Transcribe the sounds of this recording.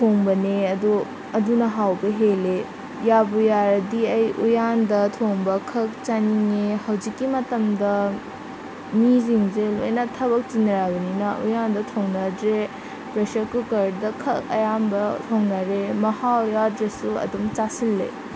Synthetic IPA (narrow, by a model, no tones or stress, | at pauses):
tʰoŋbɐneɐdu | ɐdunɐɦawbɐɦele | jabujaɾɐdiɐjʔujandɐtʰoŋbɐkʰɐk̚t͡ʃaniŋehɐwzikːimɐtɐmdɐ | miziŋzelojnɐtʰɐβɐk̚tinɐɾabɐninɐʔṵjandɐtʰoŋnɐdɾe | pɾesɐɾkukɐɾdɐkʰɐk̚ɐ̰jambɐt̪ʰoŋnɐɾemɐhawjadɾesuɐ̰dumt͡ʃasilːḛ